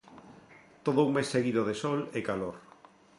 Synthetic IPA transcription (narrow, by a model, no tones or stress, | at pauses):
t̪oð̞ouŋmesːeɣiðoð̞esɔlekaloɾ